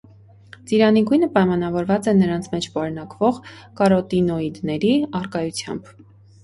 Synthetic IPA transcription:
t͡siɾɑniɡujnəpɑjmɑnɑvɔɾvɑt͡sɛnəɾɑnt͡sʰmɛt͡ʃʰbɑɾnɑkvɔʁkɑɾɔt̪inɔid̪nɛɾiɑrkɑjut͡sʰjɑ̰mb

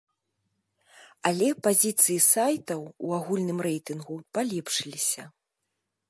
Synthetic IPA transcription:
alʲɛpazʲit̪sɨjisajt̪ɐwuaɣulʲnɨmrɛjt̪ɨnɣupalʲɛpʂɨlʲisʲɐ

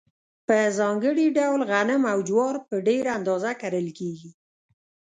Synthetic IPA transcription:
pəzɑŋɡəɽiɖawlɣanəmawd͡ʒwɑɾpəɖeɾand̪ɑzakaɾəlkeɡi

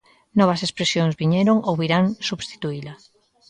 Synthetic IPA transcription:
nɔβ̞ɐsespɾesjoŋzβiɲɛɾoŋowβiɾaŋsuβst̪i̥t̪uila

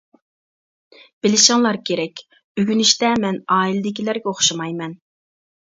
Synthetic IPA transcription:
b̥ɪlɪʃɪŋlˠɑɾkʲʰeɾɛkʲ | yɡʲynyʃt̪ɛmɛnɑːilɪd̪ɪkʲilæɾɡʲɛoχʃɑmɑjmɛn

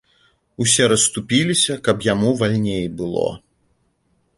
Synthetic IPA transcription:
usʲɛɾɐst̪upʲilʲisʲɐkɐpjamuvalʲnʲejbɨlˠɔ̰

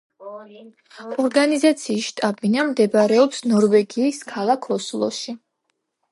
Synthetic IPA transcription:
ɔɾɡanizat̪sʰiːsʃt̪ʼabinamd̪ɛbɾɛɔpsnɔɾvɛɡiːskʰalˠakʰɔslˠɔ̰ʃi

